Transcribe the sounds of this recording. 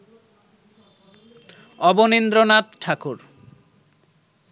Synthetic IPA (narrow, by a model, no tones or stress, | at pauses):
ɔbonind̪ɾonat̪ʈʰakuɾ